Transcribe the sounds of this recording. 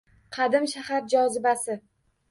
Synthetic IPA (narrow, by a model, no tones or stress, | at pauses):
qʰɑd̪ɪmʃahaɾd͡ʒɒzɪbasɪ